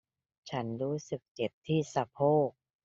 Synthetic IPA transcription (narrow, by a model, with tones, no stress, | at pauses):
t͡ɕʰa˦˥nɾuː˦˥sɯ˨˩k̚t͡ɕe˨˩p̚t̪ʰiː˥˩sa˧pʰoː˥˩